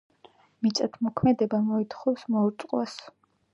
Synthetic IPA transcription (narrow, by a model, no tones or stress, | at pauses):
mit̪sʼat̪ʰmɔkʰmɛd̪ɛbamɔit̪ʰχɔwsmɔuɾt̪sʼqʼwas